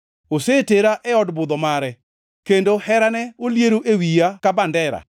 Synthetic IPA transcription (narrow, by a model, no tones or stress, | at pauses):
oseteɾaʔɛɔdbʊd̪ɔmaɾɛ | kendohɛɾanɛoljeɾoʔewijakabandɛɾa̰